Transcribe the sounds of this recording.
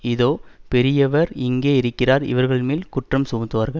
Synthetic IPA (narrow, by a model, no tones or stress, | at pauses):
ɪðoːpɛɾɪjɐʋɐɾɪŋɡeːɪɾɯkːɪraːɾɪ̰ʋɐɾɣɐɭmeːlkʊʈrɐmsʊmʊt̪ːɯʋaːɾɣɐɭ